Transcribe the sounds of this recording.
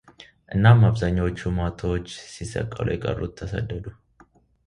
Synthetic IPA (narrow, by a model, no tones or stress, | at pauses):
ʔɨnːamːabzaɲːawot͡ʃːumat̪ʰot͡ʃːsɪsɐ̰kʼːɐ̰lʔṵjɛkʼə̰rːṵt̪ʰːɐsɐ̰d̪ːəd̪u